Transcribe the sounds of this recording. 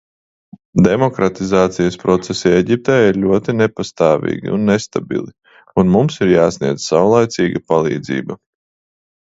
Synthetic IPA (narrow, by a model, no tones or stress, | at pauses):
d̪emɔkɾat̪izaːt̪sijəspɾɔt̪sɛsiɛɟʲip̚t̪ɛːjaiɾlʲuɔt̪inepast̪aːvḭːɡʲḭunːest̪abḭlˠi | unmumsiɾjaːsniɛd̪zsawlˠajt̪siːɡapalˠḭːd̪zḭːbɐ